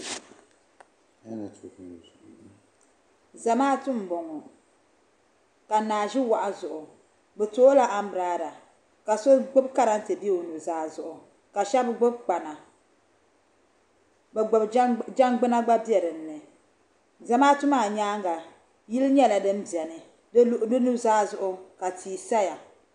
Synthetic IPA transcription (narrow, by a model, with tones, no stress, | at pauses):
za˨maː˦tʊ˦m̩˨bɔ˨ŋɔ˨ | ka˨naː˨ʒi˦wa˨ʔa˨zʊ˨ʔʊ˨ | bɛ˨to˦la˦ʔa˦m̩˦bɾaː˦da˨ | ka˨so˦ɡ͡bʊ˦bka˦ɾa˦n̩˦te˨bi˦˨o˨nu˨zaː˨˦zʊ˨ʔʊ˨ | ka˨ʃa˦bɡ͡bʊ˦b̚k͡pa˨na˨ | bɡ͡bd͡ʒa˦ŋɡ͡bɨ˦na˦ɡ͡ba˦bi˦ɛ˨ɾɨ˨n̩ː˦ɨ˨ | za˨maː˦tʊ˦maː˨ɲaː˦ŋɡa˨ | ji˦lɲɛ˦la˨dɨ˦m˦bi˨ɛ˨nɨ˨ | dʔdɨ˦nu˦zaː˦zʊ˨ʔʊ˦ka˨tʰiː˨sa˦ja˨